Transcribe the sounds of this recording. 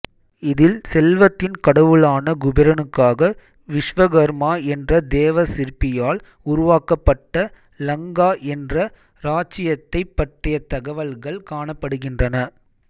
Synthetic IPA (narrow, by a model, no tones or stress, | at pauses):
ɪðɪlsɛlʋɐt̪ːɪnkɐɽɐʋɯɭaːnɐɡʊbɪɾɐnɯkːaːɣɐ | ʋɪʂʋɐɣɐɾmaːɛndrɐd̪eːʋɐsɪɾpːɪjaːl | ʊɾʊʋaːkːɐpːɐʈːɐ | lɐŋɡaːʔɛndrɐ | ɾaːt͡ʃɪjɐt̪ːɐɪpːɐʈrɪjɐt̪ɐɣɐʋɐlɣɐɭkaːɳɐpːɐɽɯɣɪndrɐnɐ